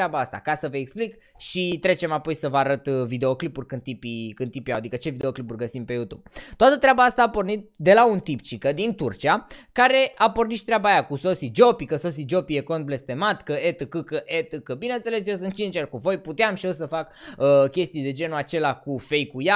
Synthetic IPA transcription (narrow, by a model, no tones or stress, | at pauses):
ɾabaast̪a̰kasəvəeksplik | ʃit̪ɾe̞t͡ʃe̞mapo̞jsəvəaɾət̪vid̪e̞o̞klipurʲkɨnd̪t̪ipikɨnipijawad̪ikət͡ʃe̞vid̪e̞o̞klipurʲɡəsimpe̞jut̪ub̥̚t̪oat̪ət̪ɾʲeabaast̪aːpo̞rnit̪̚d̪e̞launt̪ipt͡ʃikəd̪int̪urt͡ʃiakaɾe̞apo̞rniʃt̪ɾʲabaːjakuso̞sid͡ʒo̞pikəso̞sid͡ʒo̞pijeko̞nt̪̚ble̞st̪e̞mat̪kəet̪ɨkɨkəʔet̪ɨkəbinent̪se̞le̞s̬jos̬ɨnt̪̚t͡ʃint͡ʃerkuvo̞jput̪eamʃio̞s̬əfakəkʲe̞st̪ijd̪e̞d͡ʒe̞nuat͡ʃe̞lakufe̞jkuja